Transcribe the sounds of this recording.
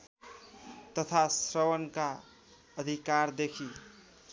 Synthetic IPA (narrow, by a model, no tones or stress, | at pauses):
t̪ʌt̪ʰasɾʌwʌnka | ʌd̪ʱikaɾd̪ekʰi